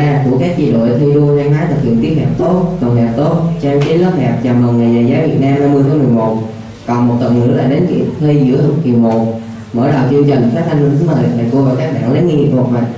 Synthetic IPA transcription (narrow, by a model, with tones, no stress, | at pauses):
aː˧ku˧˩əkaː˦˥k̚t͡ɕi˧ɗo̰˧˨t̪ʰi˧jzu˧zaː˧ŋhaː˨˦jt̪ʰɨ˨˩hḭ˧˨əŋt̪i˦˥əp̚ɗʰɛ̰˧˩p̚t̪o˦˥t̚t̪wə˨˩nhɛː˨˩p̚t̪o˦˥t̚t͡ɕaː˧mt͡ɕie˨˦nlə˦˥p̚hɛ˨˩p̚t͡ɕa˨˩mlə˨˩nŋa˨˩jɲaː˨˩jzaː˨˦vi˨˩ət̚naː˧mhaː˧jmɨ˧j̪ʰmɨ˨˩əjmo˨˩t̚ | kɔ˨˩nmo˨˩t̚t̪ə˨˩nɨ̰˧˥əlaː˧˩ɗe˨˦nkḭ˧˩˥tt̪ʰə˧jzɨ̰˧˥ət̪ki˨˩əwmo˨˩ | məː˧˩ɗa˨˩t͡ɕi˧ənt͡ɕï˨˩ŋ̟˩faː˦˥t̪ʰa˧nli˧nt̪ɨ˨˦mə˨˩˨a̰ː˧˩ko˧əvaː˨˩kaː˦˥k̚ɓa̰ː˧˨ŋlə˨˦ŋi˧i˨˩u˨˩k̚ma˧˨